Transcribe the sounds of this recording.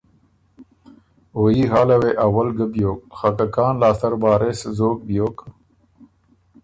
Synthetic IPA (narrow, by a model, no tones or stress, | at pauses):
oːjiɦaːlɐweʔɐwɐlɡəbjoːk̚xɐkɐkaːnlaːst̪ɐɾbaːɾeszoːk̚bjoːk